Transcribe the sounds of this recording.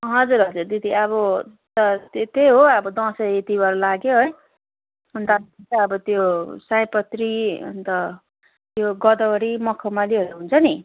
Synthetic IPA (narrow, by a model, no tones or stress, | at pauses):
ɦʌd͡zurɦʌd͡zurd̪id̪iʌβʌt̪ʌt̪t̪ejɦoʌbʌd̪ʌ̃sʌet̪ibʌɾulaɡjoɦʌj | ʌnt̪ait͡saʌbʌt̪josãjpʌt̪riʌ̰nt̪ʌ | t̪joɡʌd̪ʌʌɽimʌkʰʌmaliɦʌɾuɦunt͡sʰʌni